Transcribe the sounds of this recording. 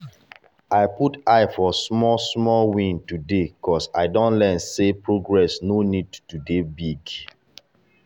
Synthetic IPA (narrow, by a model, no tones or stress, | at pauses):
aɪputaɪfɔsmɔsmɔlwĩntudekɔsa̰ɪdõnlɛnsepɹoɡɹɛsnonidtudebiɡ